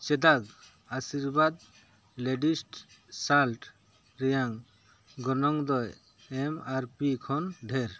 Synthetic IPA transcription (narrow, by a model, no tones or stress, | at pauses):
t͡ʃɛd̪aɡ | asiɾbad̪ | leɖisʈ | salʈ | ɾɛjaŋ | ɡɔnɔŋd̪ɔj | ɛmaɾpikʰɔnɖʱeɾ